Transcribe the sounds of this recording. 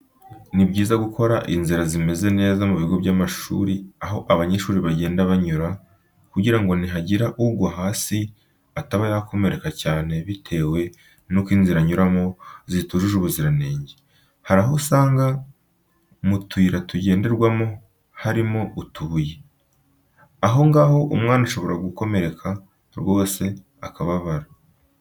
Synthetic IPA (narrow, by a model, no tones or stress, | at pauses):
nibɟiːzaɡukʰo̞ɾaʔinziɾazime̞ze̞ne̞ːzamuβiɡo̞bɟaːmaʃṵːɾiaɦo̞ʔaβaɲeʃuːɾiβaɟe̞ːndaβaɲuɾa | kuɟiɾaŋɡo̞niɦaɟiɾaʔubɡoɦaːsi | ataβajakʰo̞me̞ɾe̞kacaːne̞βitʰe̞ːwe̞ | nokwiːnziɾaɲuɾamo̞zituʒuʒuβuziɾaneːɲɟe | haɾaɦosaːŋɡa | mutʰuːɾatuɟe̞ːnde̞ɾɡwamo | haɾimo̞utʰuːje | aɦo̞ŋɡaho̞ʔumŋaːnuʃo̞βo̞ɾaɡuko̞me̞ɾe̞kʰa | ɾwo̞ːse̞ | akaβaβaɾa